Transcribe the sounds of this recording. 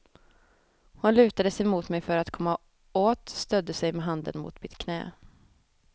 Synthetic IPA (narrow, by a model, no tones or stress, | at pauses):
hʊnlʉ̟ːt̪ad̪əsɛjmuːt̪mɛjfœɾat̪kʰɔmːa | oːt̪st̪œd̪ːəsɛjmɛɦand̪ə̰nmʊ̰ːt̪mɪt̪kʰnɛ̰ː